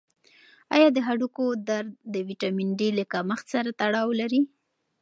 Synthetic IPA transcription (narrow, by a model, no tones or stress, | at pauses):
ɑ̰jɑd̪əɦaɽukod̪aɾd̪d̪əwiʈamiɳɖiləkaməxt̪saɾat̪aɽɑwlaɾi